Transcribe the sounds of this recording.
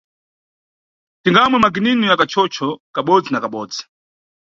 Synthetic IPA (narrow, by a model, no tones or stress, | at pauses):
tiŋɡamwɛmaɡininujakat͡ʃʰɔt͡ʃʰɔkaɓɔd͡zinakaɓɔːd͡zi̥